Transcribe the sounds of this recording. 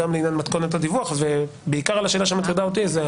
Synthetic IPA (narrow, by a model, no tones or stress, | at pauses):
amleinjanmat̪ko̞net̪̬ad̪ivuaχvebeikaʁalaʃeːlaʃemat̪id̪aot̪̬ize